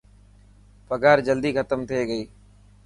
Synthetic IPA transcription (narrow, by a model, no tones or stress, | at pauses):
pəɡaːɾd͡ʒəld̪iːkʰət̪əmt̪ʰeːɡəiː